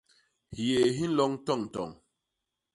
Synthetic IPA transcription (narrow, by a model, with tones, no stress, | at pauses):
hje˨ɦi˦n̩˦lɔ˨˦ŋ˦tɔ˦˨ŋ̩˨tɔ̰˨ŋ